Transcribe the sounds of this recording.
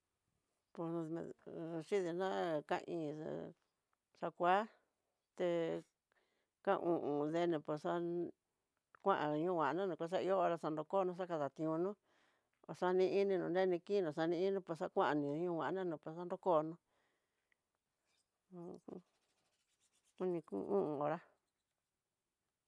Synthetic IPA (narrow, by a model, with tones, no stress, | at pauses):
põ̰˧˨ʂi˦ði˧nã˦kã̰˦˧ʔḭ̃˧˨ | ʂa˧kʷa˦ | t̪e˧ | kã˦˧ũ˧ʔũ˧ðe˧nẽ˧pe˨ʂa˧ | kʷã˦ʔã˨˧ɲũ˧˦˨wã˨˧nã˦nũ˨kʷa˧ʂ̬a˦i˧o˦˧ɾa˧sa˧nd̪o˧ko˦˧nũ˧˦ʂ̬a˦ka˧ða˨t̪ĩ˧ũ˧nũ˦ | o̰˨ʂa˧nĩ˧i˦nĩ˧nũ˨nd̪e˦˧nĩ˧ki˦nũ˨ʂa˧nĩ˧i˦nĩ˧˦pe˧ʂa˦˧kʷã˦ʔa˧nĩ˨˧ɲũ˦˧wʷã˨ʔnã˦nũ˨po˧˦a˦nd̪o˦ko˦˧nũ˧ | u˦nĩ˧ṵ˧˦ṵ̃˦ʔũ˧o˨ɾa˦